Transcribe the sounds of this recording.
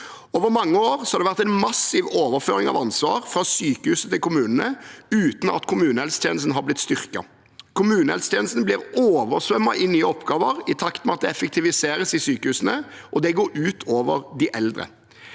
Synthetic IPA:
oːʋəɾmɑŋːəoːʁsɔhɑɾd̪ɛʋæʁt̪æɪnmɑsɪʋoːʋəɾføːʁɪŋɑ̰ʋɑnsʋɑ̰ːʁfʁɑsyːkəhʉːsət̪ʰɪlkʊmʉːnən̩əʉːt̪n̩ɑ̰t̪kʰʊmʉːnəɛlst̪ʰɛ̰ːn̩stn̩ɦɑʁblɪt̪st̪ʏʁkɑ̰ | kʰʊmʉːnhɛlst̪ʰjɛːn̩st̪n̩blɪːʁoːʋəɾsʋœmːɑ̰ʔɪnyːəɔpɡɑːʋəʁɪt̪ʰɑkt̪mɛɑt̪̚d̪ɛɛfɛk̚t̪ʰɪʋɪseːʁəsɪsyːkəhʉːsən̩əʔɔd̪ɛɡoːɾʉːt̪ʰoːʋəʁd̪ɪʔɛld̪ʁə̰

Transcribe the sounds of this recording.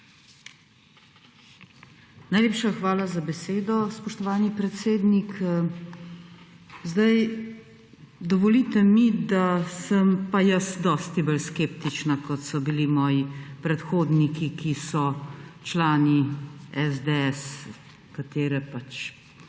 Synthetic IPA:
najleːpʃaxʋaːlazabɛseːd̪ɔspɔʃt̪ɔʋaːnipɾɛt̪seːd̪nik | zd̪aj | d̪ɔʋɔlit̪ɛmid̪asəmpajɐsd̪ɔːst̪ibəlskept̪it͡ʃnakɔt̪sɔbilimɔːjipɾɛt̪xoːd̪nikikisɔt͡ʃlaːniɛzd̪eɛs | kat̪eːɾɛpat͡ʃ

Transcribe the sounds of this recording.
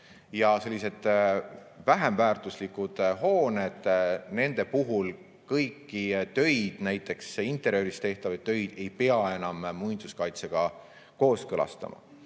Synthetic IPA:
jɑse̞lʲːise̞d̪̥ | væɦemvæːrt̪ˑuslikːˑud̪̥ɦo̞ːned̪̥ne̞nd̪e̞puɦul | kɤjkˑːit̪ø̞jd̪̥næjt̪ːˑe̞ksint̪ˑːe̞ɾjøɾist̪e̞ht̪ɑvɑ̥t̪ø̞jd̪̥e̞jpe̞ɑe̞nɑmːujnd̪̥uskɑjt̪seɡ̥ɑ | ko̞ːskɤlɑ̰st̪ɑ̰mɑ̰

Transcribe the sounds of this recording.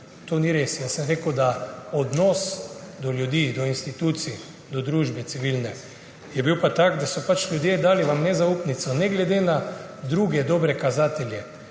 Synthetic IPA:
t̪oːniɾesjasəmɾeːkəwd̪aɔd̪nɔsd̪ɔlʲjud̪iːd̪ɔinst̪it̪uːt̪si | d̪ɔd̪ɾuːʒbɛt̪siʋilnɛ | jɛbiwpat̪aɡd̪asɔpat͡ʃlʲjud̪jed̪aːliʋamnɛzaupnit̪sɔnɛɡlɛd̪enad̪ɾuːɡɛd̪ɔːbɾɛkazaːt̪ɛlʲjɛ

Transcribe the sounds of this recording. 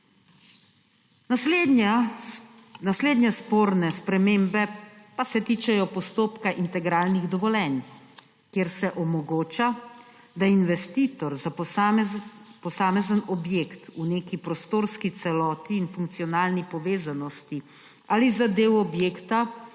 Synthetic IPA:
nasleːd̪nʲjɛspoːɾnɛspɾɛmeːmbɛpasɛt̪iːt͡ʃɛjɔpɔst̪oːpkaʔint̪ɛɡɾaːlniɣd̪ɔʋɔlɛn | kjeɾsɛʔɔmɔɡoːt͡ʃa | d̪ainʋɛst̪iːt̪ɔɾza | pɔsaːmɛzənɔbjekt̪uneːkipɾɔst̪oːɾskit̪sɛlɔːt̪iːnfuŋk̚t̪sijɔnaːlnipɔʋeːzanɔst̪i | alizad̪eːwɔbjeːkt̪a

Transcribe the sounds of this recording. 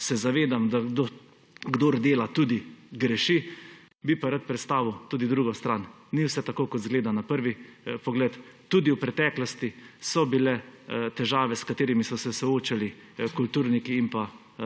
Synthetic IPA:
sɛzaʋeːd̪amd̪aɡd̪o | ɡd̪oːɾd̪eːlat̪uːd̪iɡɾɛʃi | bipaɾat̪̚pɾɛt̪st̪aːʋiwt̪uːd̪id̪ɾuːɡɔst̪ɾan | niwsɛt̪akoːkɔt̪zɡleːd̪anapəɾʋipɔɡlɛt̪t̪ːuːd̪iuwpɾɛt̪ɛːklɔst̪isɔbilɛt̪ɛʒaːʋɛskat̪eːɾimisɔsɛsɔoːt͡ʃali | kult̪uːɾnikiːmpa

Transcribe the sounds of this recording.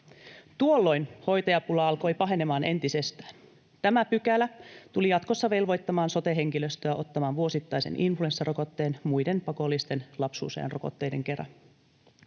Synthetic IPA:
t̪uolːo̞jnho̞jt̪ɑjɑpulɑɑlko̞jpɑɦe̞ne̞mɑːnʔe̞nt̪ise̞st̪æ̥ːn | t̪æmæpykælæt̪ulijɑt̪ko̞sːɑʋe̞lʋo̞jt̪ːɑmɑːnso̞t̪e̞ɦe̞ŋkiløst̪øjɑot̪ːɑmɑːnʋuo̞sit̪ːɑjsḛnʔinflue̞nsːɑro̞ko̞t̪ːe̞ːnmujde̞npɑko̞lːist̪e̞nlɑpsṵːsḛɑ̰nroko̞̰t̪ːe̞jde̞̰ŋke̞rɑ̰

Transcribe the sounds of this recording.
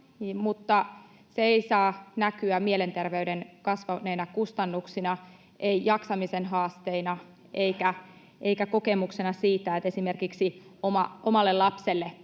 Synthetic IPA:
niːmut̪ːɑ | seeisɑːnækyæmielent̪erʋeydenkɑsʋɑneinɑkust̪ɑnːuksinɑ | ʔeijɑksɑmisenɦɑːst̪einɑ | eikæ | ʔeikæko̞kemuksenɑsiːt̪ːæet̪esimerkiksiomɑomɑlːelɑpselːe

